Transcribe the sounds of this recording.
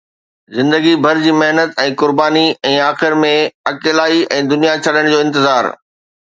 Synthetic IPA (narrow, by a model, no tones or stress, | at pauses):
zɪ̃nd̪əɡibʱɐɾd͡ʑiːmɐɦnət̪ɛ̃ːkʊɾbaːniɛ̃ːaːxɪɾmẽɐkeːlaːiʔɛ̃ːd̪ʊnijat͡ɕʰɐɗəɽ̃d͡ʑoːɪ̃nt̪ɪzaːɾ